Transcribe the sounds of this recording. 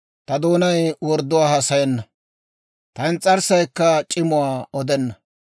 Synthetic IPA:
t̪ɐd̪oːnɐjwɔɾd̪ːʊwaːhɐsɐjɛnːɐ | t̪ɐɪnt͡sʼːɐɾsɐjkːɐt͡ʃʼɪmʊwaːɔd̪ɛnːɐ

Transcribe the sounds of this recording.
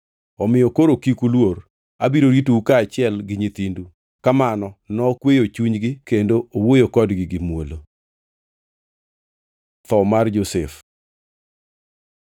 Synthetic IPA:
ɔmɪjɔkoɾokikulwor | abiɾoɾitukat͡ʃɪɛlɡɪɲit̪indu | kamanɔnɔkwejot͡ʃuɲɡɪkendoowojokɔdɡɪɡɪmwolo | t̪ɔmard͡ʒosef

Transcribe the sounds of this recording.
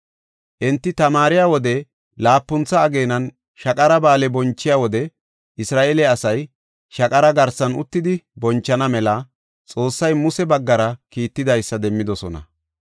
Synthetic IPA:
ʔɪnt̪ːɪt̪ɐmaːɾɪjaːwɔd̪ɛ | laːpːʊnt͡sːɐːɡe̞ːnɐn | ʃɐkʼɐɾɐbaːlɛbɔnt͡ʃːɪjaːwɔd̪ɛ | ʔɪsɾaːʔeːlɛɐsɐj | ʃɐkʼɐɾɐɡɐɾsɐnʊ̰t̪ːɪd̪ɪbɔnt͡ʃːɐnɐmɛlɐ | t͡sʼo̞ːsːɐjmʊsɛbɐɡːɐɾɐkiːt̪ːɪd̪ɐjsːɐd̪ɛmːɪd̪ɔsɔnɐ̰

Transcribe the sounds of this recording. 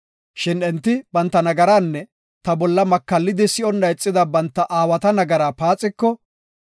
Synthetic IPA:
ʃɪnɛnt̪ːɪbɐnt̪ːɐnɐɡɐɾaːnːɛ | t̪ɐbɔlːɐmɐkːɐlːɪd̪ɪsɪɔnːɐjt͡sʼːɪd̪ɐbɐnt̪ːɐʔaːwɐt̪ɐnɐɡɐɾaːpaːt͡sʼːɪkːɔ

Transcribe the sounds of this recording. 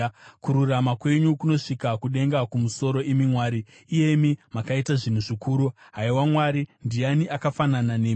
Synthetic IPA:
kuɾuramakwe̞ɲukuno̞ʂikakuɗe̞ŋɡakumuso̞ɾo̞ʔemimwaːɾiː | je̞mimakaitaʐin̤uʐikuːɾuɦaiwamwaɾindijaniʔakafanananeː

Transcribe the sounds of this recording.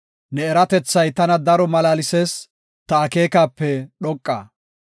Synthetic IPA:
nɛːɾɐt̪ɛt͡sːɐjt̪ɐnɐd̪ɐɾɔmɐlaːlɪseːs | t̪ɐːke̞ːkaːpːɛɗɔkʼːa̰ː

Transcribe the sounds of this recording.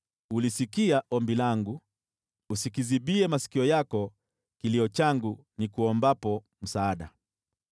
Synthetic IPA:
ulisikiaʔɔmbilaŋɡuː | sikiziɓiɛmasi̥kiɔjakɔ | kiliɔt͡ʃaŋɡu | nikuɔmbapɔ | m̩saːɗa̰

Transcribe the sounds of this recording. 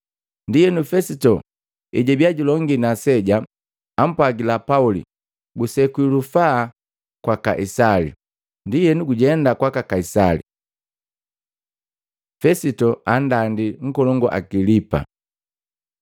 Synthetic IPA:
ndijɛnufɛsitɔ | iɟɛbiaɟulɔŋɡinasɛɟa | am̩pwaɡilapaulḭ | ɡusɛkwilufaː | kwaka̰ʔisalḭ | ndijɛnuɡuɟɛndakwakakaisalḭ | fɛsitɔandandiŋ̩kɔlɔŋɡɔʔa̰ɡilipa̰

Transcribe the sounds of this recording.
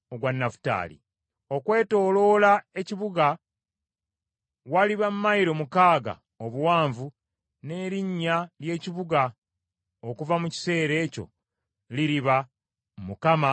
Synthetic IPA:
oɡwanːafu̥ta̰ːlḭ | o̞kwe̞ːto̞ːlo̞lae̞ciβuɡa | waliβamumajiɾomukaːɡa̰ | oβuwaːɱvu | ne̞ːɾiɲːalje̞ːciβuɡa | okuvamuci̥se̞ːɾe̞ːco̞̰ | liɾiβa | mukama

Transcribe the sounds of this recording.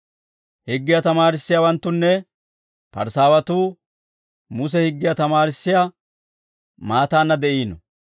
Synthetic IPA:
hɪɡːɪjɐt̪ɐmaːɾɪsːɪjawɐnt̪ːʊnːɛ | pɐ̰ɾsaːwɐt̪uː | mʊs̬ɛhɪɡːɪjat̪ɐmaːɾɪsːɪja | maːt̪aːnːɐd̪ɛʔiːnɔ̰

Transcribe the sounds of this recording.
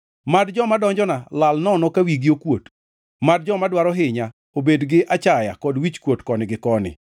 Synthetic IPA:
madd͡ʒɔmadɔɲd͡ʒɔnalalnɔnɔkawiɡiokwot | mad̚d͡ʒɔmadwaɾɔɦɪɲa | obedɡɪʔat͡ʃaja̰kɔdwit͡ʃkwotkɔnɪɡɪkɔnɪ̰

